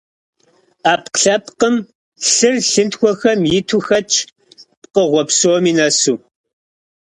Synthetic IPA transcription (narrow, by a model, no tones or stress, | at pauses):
aːpqɬɐp̚qəm | ɬɨrɬɨntxʷɔxɐmjɪtʰuxɐt͡ʃʼʰ | p̚qəʁʷɔpsoːmiːnɐsuː